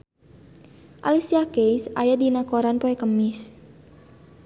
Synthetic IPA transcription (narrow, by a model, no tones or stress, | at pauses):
ʔa̰lisiakejsa̰jadinakoɾanpoɛkəmɪs